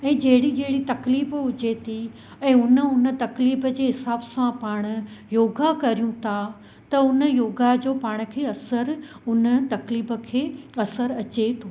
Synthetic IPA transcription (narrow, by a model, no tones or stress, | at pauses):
ɛ̃ːd͡ʑɐɦɪɽid͡ʑeɦɪɽit̪ɐkliːbʊd͡ʑet̪ʰi | ɛ̃ːʊnə̆ʊnə̆t̪ɐkliːbəd͡ʑeːɦɪsaːbsãpaːɽ̃ʊ̆joːɡakɐɾijũt̪ʰa | t̪ɐʊnə̆joːɡad͡ʑoːpaːɽ̃ʊ̆kʰeːɐsəɾʊnə̆t̪ɐkliːbə̆kʰeːɐsəɾɐt͡ɕet̪ʰoː